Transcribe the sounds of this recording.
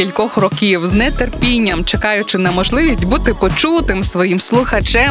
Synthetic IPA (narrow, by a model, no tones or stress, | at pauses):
kilʲkɔxrɔkʲiwznɛt̪erpʲinʲːɐmt͡ʃekɑjʊt͡ʃɪnɐmɔʒlˠɪʋʲisʲtʲbut̪ɪpɔt͡ʃut̪ɪmsʋɔjimslˠʊxɐt͡ʃɛm